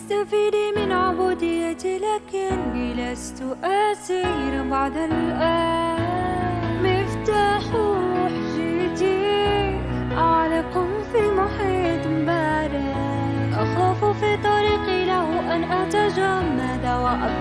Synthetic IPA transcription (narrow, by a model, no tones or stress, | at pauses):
ʔɪst̪amfiːd̪imɪnʕʊbuːd̪ɪjːat̪ilaːkɪnbilast̪ʊʔasiɾbaʕd̪ɪlʔa | mɪft̪aħɾuħʒit̪i | ʔaʕlɪqʊ | filmʊħiːt̪ˤmbaːɾɪ | ʔɑxuːffit̪ˤɑɾiːqilahʔanʔaʕt̪aʒammad̪awaʔab